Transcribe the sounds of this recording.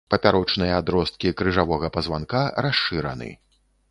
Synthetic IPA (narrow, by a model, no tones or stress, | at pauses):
pɐpʲaɾɔt͡ʂnɨjɐad̪ɾɔst̪̚kʲikɾɨʐavɔɣɐpɐzvankaɾaʂːɨɾɐ̰nɨ̰